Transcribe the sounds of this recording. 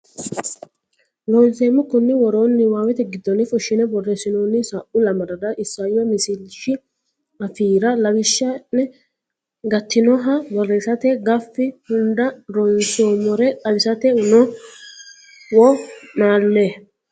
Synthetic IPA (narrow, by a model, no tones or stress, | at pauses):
lonseːmːɪkʊnːɪwɔɾo̞ːnːɪwaːwɛt̪ɛɡɪd̪ːɔnɪfʊʃːɪnɛbɔrːɛsɪnoːnːɪsaʔʊlɐmɐɾɐdɐʔɪsːaːjɔmɪsɪlʃɪ | ɐfiːɾɐlɐwɪʃːɐɛ | ɡɐt̪ʰːɪnɔɦɐbɔresɐt̪ɛɡɐfːɪhʊnd̪ɐɾɔnsoːmɔɾɛʔɐlɪsɐt̪ɛʊnɔ | wɔnaːlːe